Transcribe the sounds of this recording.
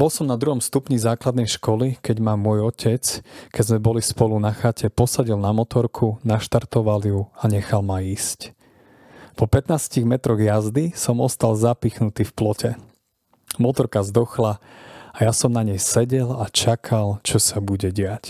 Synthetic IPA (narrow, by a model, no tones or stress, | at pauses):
bɔlsɔmnad̪ɾuɦɔmst̪upɲizaːklad̪nɛjʃkɔlikɛɟmaːmːʊɔjɔcʰɛt͡skɛzmɛbɔlispɔlunaxacʰɛpɔsaɟilnamɔt̪ɔɾkʰunaʃt̪aɾt̪ɔʋaljuaɲɛxalmaiːsc | pɔpɛt̪naːsciɣmɛt̪ɾɔɣjazd̪isɔmɔst̪alzapiːxnut̪iːfplɔcɛ | mɔt̪ɔɾkazd̪ɔxlaajasɔmnaɲɛjsɛɟɛlat͡ʃakʰalt͡ʃɔsabuɟɛɟɪac